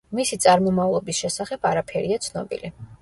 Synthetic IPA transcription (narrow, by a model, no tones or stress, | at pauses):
misit̪sʼaɾmɔmavlˠɔbisʃɛsaχɛbaɾapʰɛɾiat̪sʰnɔ̰bḭli